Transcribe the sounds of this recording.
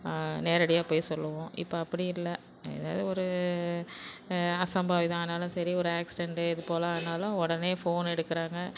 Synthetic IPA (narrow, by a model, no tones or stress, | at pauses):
neːɾɐɽɪjaːpoːjsɔlːɐʋõːʔɪ̰pːoɐpːɐɽɪɪlːɐ | ɛ̰ða̰ːʋɐðɯɔɾɯ | ɐsɐmbaːʋiðãaːðɐnaːlʊ̃sɐɾiɔɾɯaːksɪɖɛɳɖɯɪðɯpoːlɐaːɯnaːlʊ̃ɔɽɐneːfoːnɛɽɯkːɪɾaːŋɡɐ